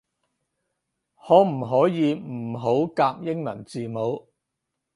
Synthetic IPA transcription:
hɔː˨˥m̩˨˩ɦɔː˨˥jiː˨˧m̩˨˩ɦo˨˥wkaː˧p̚jɪ˥ŋmɐ˨˩nt͡siː˨mo˨˧w

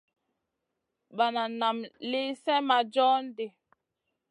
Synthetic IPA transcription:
ɓa˨na˨na˨mli˦sɛ˦ma˨d͡ʒɔ˦n̩˦de˨

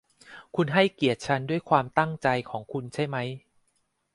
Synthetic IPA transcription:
kʰu˧nɦa˥˩jki˨˩ət̪̚t͡ɕʰa˦˥ndu˥˩əjkʰwaː˧mt̪a˥˩ŋt͡ɕa˧jkʰɔː˩˦ŋkʰu˧nt͡ɕʰa˥˩jma˦˥j

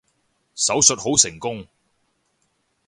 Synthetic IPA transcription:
sɐ˨˥wsɵ˨t̚ho˨˥wsɪ˨˩ŋkʊ˥ŋ

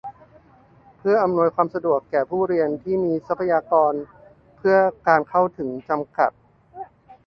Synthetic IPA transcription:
pʰɯ˥˩ɐʔa˧mnu˧əjkʰwaː˧msa˧du˨˩əkːɛː˨˩pʰuː˥˩ɾi˧ənt̪ʰiː˥˩miː˧sa˦˥pʰːa˧jaː˧kɔː˧n | pʰɯ˥˩ɐkaː˧nkʰa˥˩wt̪ʰɯ˩˦ŋt͡ɕa˧mka̰˨˩t̪̚

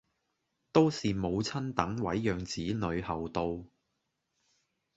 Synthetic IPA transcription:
t̪o˥wsiː˨mo˨˧wt͡sʰɐ˥nt̪ɐ˨˥ŋwɐ˨˥jːœː˨ŋt͡siː˨˥nɵ˨˧ɥhɐ˨wt̪o˧w

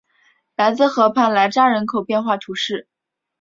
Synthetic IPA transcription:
la˧˥ɪt͡sɹ̩˥˧xɤ˧˥pʰa˥˩nla˧˥ɪʈ͡ʂa˥ɻə˧˥nkʰo˨˩ʊpjɛ˥˧nxwa˥˩t̪ʰu˧˥ʂɻ̩˥˩

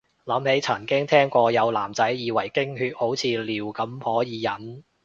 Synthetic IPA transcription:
lɐ˨˥mhe˨˥jt͡sʰɐ˨˩nkɪ˥ŋt̪ʰɛː˥ŋkʷɔː˧jɐ˨˧wlaː˨˩mt͡sɐ˨˥jːiː˨˧wɐ˨˩jkɪ˥ŋhyː˧t̚ho˨˥wt͡sʰiː˨˧liː˨˩wkɐ˨˥mhɔː˨˥jiː˨˧jɐ˨˥n

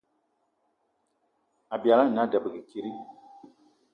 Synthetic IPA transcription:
a˨bi˨a˨la˦˨na˦da˨bɨ˨ɡi˨ki˦ɾi˦

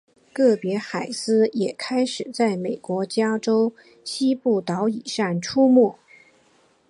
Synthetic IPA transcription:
kɤ˥˩pjɛ˧˥xa˨˩ɪsɹ̩˥jɛ˨˩kʰa˥ɪʂɻ̩˨˩t͡sa˥˩ɪme˨˩ɪkwɔ˧˥t͡ɕja˥ʈ͡ʂo˥ʊ | ɕi˥pu˥˩t̪ɑ˧˥ʊi˨˩ʂa˥˩ŋʈ͡ʂʰu˥mu˥˩

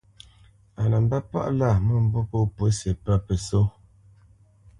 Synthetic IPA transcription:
a˨na˨m˦ba˦pa̰˦ʔla˦˨mə˦˨m̩˦bo˦po˦pə˨˦se˨pə˦pə˨so˦

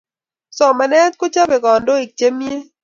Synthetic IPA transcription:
sɔ˨mɛ˨nɛ˦t̪̚kʊ˦t͡ʃa˦be˨ɡɔ˨ndo˦i˨k̚t͡ʃe˦mje˦

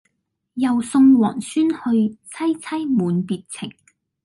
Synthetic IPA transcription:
jɐ˨˩wsʊ˧ŋwɔ̰ː˨˩nsyː˥nhɵ˧ɥt͡sʰɐ˥jt͡sʰɐ˥jmuː˨˧npiː˨t̚t͡sʰɪ˨˩ŋ

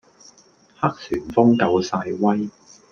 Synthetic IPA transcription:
ha˥k̚syː˨˩nfʊ˥ŋkɐ˨˧wsaː˧jwɐ˥j

